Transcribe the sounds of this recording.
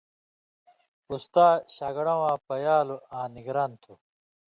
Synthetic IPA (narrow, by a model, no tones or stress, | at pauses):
ust̪aːɕaːɡɽɐ̃wãːpɐjaːluãːniɡɾaːnt̪ʰu